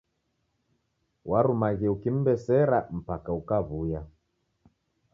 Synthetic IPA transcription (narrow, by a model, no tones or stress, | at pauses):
wʔaɾumaɣiukim̩bɛsɛɾam̩pakaukaβuja